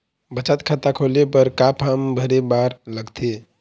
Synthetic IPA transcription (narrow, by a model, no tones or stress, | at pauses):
bət͡ʃat̪kʰat̪akʰolepəɾkapʰambʱəɾebaɾləɡt̪ʰe